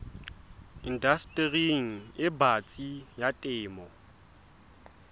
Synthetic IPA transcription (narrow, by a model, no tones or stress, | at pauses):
indastʼriŋ̩ɪbat͡sʼijatʼɪːmɔ